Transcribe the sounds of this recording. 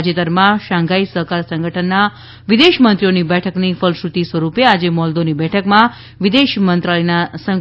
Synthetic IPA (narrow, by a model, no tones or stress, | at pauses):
d͡ʒet̪əɾmãʃãŋɡaisəɦkaɾsə̃ŋɡʱəʈʰənːa | ʋid̪eʃmənt̪ɾijonibɛʈʰəknifəlʃɾut̪isʋəɾupead͡ʒemɔld̪onibɛʈʰəkmã | ʋid̪eʃmənt̪ɾalinasə